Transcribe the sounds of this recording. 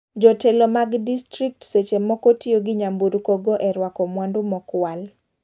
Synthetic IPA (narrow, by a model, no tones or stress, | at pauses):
d͡ʒɔtɛlɔmaɡdistɾik̚tset͡ʃemɔkɔtioɡɪɲambuɾkɔɡɔʔɛɾwakɔmwandʊmɔkwal